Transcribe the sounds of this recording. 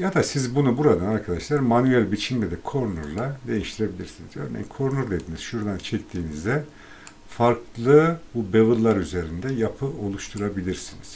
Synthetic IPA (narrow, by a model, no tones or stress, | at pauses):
jad̪asizbunubuɾad̪anaɾkʰad̪aʃlˠaɾmanyɛlʲbit͡ʃʰimlʲɛd̪ɛkʰo̞ɾnuɾlˠad̪e̞jiʃt̪ʰiɾe̞bilʲḭɾsinizø̞̰ɾnḛinkʰo̞ɾnuɾd̪e̞d̪iniz̥ʃuɾd̪ant͡ʃʰɛct̪ʰiːnizd̪ɛ | faɾkʰlˠɯbube̞vɯllːˠaɾyze̞ɾind̪ɛjapʰɯo̞lˠuʃt̪ʰuɾabilʲiɾsiniz̥